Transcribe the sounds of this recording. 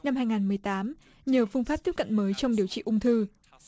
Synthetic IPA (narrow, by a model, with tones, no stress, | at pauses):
na˧mɦaː˧jŋaː˨˩nmɨ˨˩əjt̪aː˨˦m | ɲəː˨˩fɨ˧ŋfaː˦˥p̚t̪i˦˥p̚kə̰˧˨nməː˨˦jt͡ɕɔ˧wŋ͡mɗi˨˩əwt͡ɕḭ˧˨ʔʊ˧ŋ͡mt̪ʰɨ˧